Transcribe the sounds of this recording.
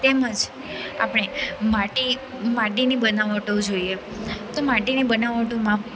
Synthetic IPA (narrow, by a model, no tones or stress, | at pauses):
t̪ɛməd͡ʒ | a̰pɽ̃emaʈi | maʈinibənaʋəʈod͡ʒoie | t̪omaʈinibənaʋəʈomã